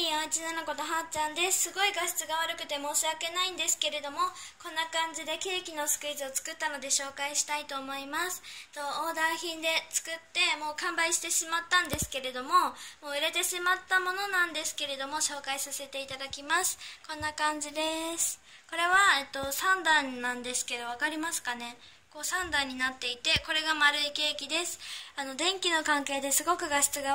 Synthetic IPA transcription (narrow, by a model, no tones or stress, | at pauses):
iat͡ɕinanoko̞t̪oɦãt͡ɕãnd̪e̞ssɨɡo̞iɡaɕi̥t͡sɨɡaβaɾɯ̟kɯ̟t̪e̞mo̞ːɕiake̞naĩnd̪e̞sɨ̥ke̞ɾe̞d̪o̞mo̞kõ̞nːakãɲ̟d͡ʑid̪e̞ke̞ːkʲino̞sɨ̥kɯ̟izɨot͡sɨ̥kɯ̟t̪ːano̞d̪e̞ɕo̞ːkaiɕi̥t̪ait̪o̞ːmo̞imasɨ̥t̪o̞oːd̪aːçĩnd̪e̞t͡sɨ̥kɯ̟t̪ːe̞mo̞ːkãmbaiɕi̥t̪e̞ɕimat̪ːãnd̪e̞sɨ̥ke̞ɾe̞d̪o̞mo̞moːiɾe̞t̪e̞ɕimat̪ːamo̞no̞nãnd̪e̞sɨ̥ke̞ɾe̞d̪o̞mo̞ɕo̞ːkaisase̞t̪e̞it̪ad̪akʲimasɨ̥kõ̞nːakãɲ̟d͡ʑid̪e̞sɨ̥ | ko̞ɾe̞βaet̪ːo̞sãnd̪ãnːãnd̪e̞sɨ̥ke̞d̪o̞β̞akaɾʲimasɨ̥kane̞ | ko̞ːsãnd̪ãɲ̟ːinat̪ːe̞it̪e̞ko̞ɾe̞ɡamaɾɯ̟ike̞ːkʲid̪e̞sɨ̥ano̞d̪ẽ̞ŋkʲino̞kãŋke̞ːd̪e̞sɨɡo̞kɯ̟ɡaɕi̥t͡sɨɡa